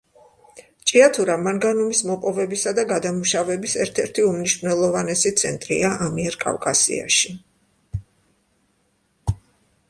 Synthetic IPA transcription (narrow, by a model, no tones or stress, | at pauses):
t͡ʃʼiat̪ʰuɾamaŋɡanumismɔpʼɔvɛbisad̪aɡad̪amuʃavɛbisɛɾt̪ʰɛɾt̪ʰiumniʃvnɛlˠɔvanɛsit̪sʰɛ̰nt̪ʼɾḭaʔamiɛɾkʼa̰vkʼasḭa̰ʃi